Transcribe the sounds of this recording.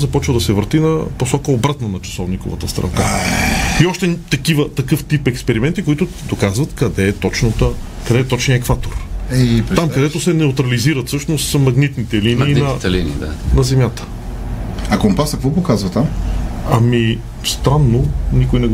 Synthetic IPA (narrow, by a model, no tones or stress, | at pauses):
zɐpɔt͡ʃvɐd̪ɐsɛvəɾt̪inɐposɔkəobɾat̪nɐnɐt͡ʃɐ̥sɔvniko̰və̰t̪əst̪ɾɛ̰lˠka | iɔʃt̪ɛt̪ɐkivət̪ɐkɤft̪ipɛkspɛɾimɛnt̪ikoit̪ʊ | d̪okazvɐt̪kɐd̪ɛːt̪ɔt͡ʃnət̪ə | kɐd̪ɛːt̪ɔt͡ʃniəɛkvat̪oɾpɾt̪amkɐd̪ɛt̪ʊsɛnɛʊt̪ɾɐliziɾɐt̪sɤʃnosmɐɡnit̪nit̪ɛliniiːnɐɛlinḭd̪a̰nɐzɛmʲjat̪ə̥ | ɐkompasɐkvɔpokazvɐt̪amɐmi | st̪ɾanːonikʊjnɛɡ